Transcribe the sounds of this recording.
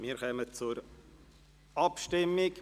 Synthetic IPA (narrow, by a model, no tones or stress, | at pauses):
miːɾxœmət͡sʊɾ | ʔɑpʃtɪmːɪk